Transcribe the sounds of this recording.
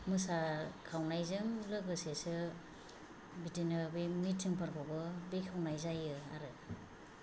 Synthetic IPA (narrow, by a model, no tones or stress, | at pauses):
mɯsakʰawnajzɯŋlɯɡɯsesɯ | bitinɯbɯjmitʰːɯŋpʰaɾkʰɔbɯbekʰawnajzajɯaɾɯ